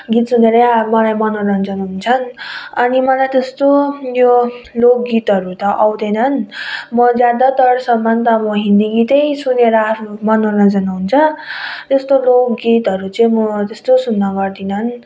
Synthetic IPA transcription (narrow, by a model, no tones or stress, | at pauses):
ɡit̪suneɾʌamʌlajmʌnornʌnd͡zʌnaunt͡sʰʌnʌnimʌlajt̪est̪ojolok̚ɡit̪ɦʌɾut̪ʌʔawd̪ʌnʌnmʌd͡zjad̪ʌt̪ʌɽsʌmːʌnt̪ʌmʌɦind̪iɡit̪ʌjsuneɾʌːɾumʌnornʌd͡zʌnaɦunt͡sʰʌt̪est̪olokɡit̪ʌɾut͡sʌĩmʌt̪est̪osunːʌɡʌrd̪inʌn